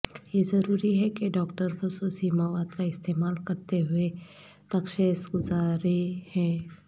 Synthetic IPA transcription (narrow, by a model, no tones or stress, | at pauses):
jezɐɾuːɾiɦɛkeɖɔːkʈəɾxʊsuːsimaːʋaːd̪kaɪst̪eːmaːlkɐɾt̪eɦʊe | t̪ɐkʃeːsɡʊzaːɾehɛ̃ː